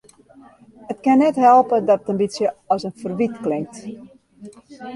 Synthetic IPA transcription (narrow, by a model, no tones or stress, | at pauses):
ətkɪnɛtɦɛlˠpədɔtətənbitsjəɔsənfərʋitklɪŋk̚t